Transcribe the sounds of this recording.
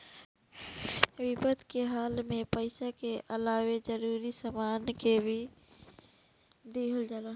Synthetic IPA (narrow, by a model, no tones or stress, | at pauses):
wɪpəd̪ʱkeɦaːlmẽpəɪsakeʔəlaːwed͡ʒəɾuːɾisamaːnkebʱi | d̪eəld͡ʒala